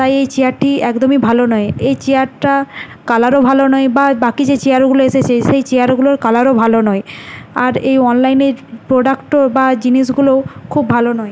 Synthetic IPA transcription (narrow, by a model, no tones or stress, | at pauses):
t̪ajejt͡ɕeaɾʈʰːiɛkd̪omibʱalonɔeejt͡ɕeaɾʈa | kalaɾobʱalonɔebabakid͡ʑet͡ɕeaɾɡuloeʃet͡ɕʰeʃejt͡ɕeaɾɡuloɾkalaɾobʱalonɔeaɾejɔnlajneɾpɾoɖakʈobad͡ʑiniʃɡulokʰubʱalonɔe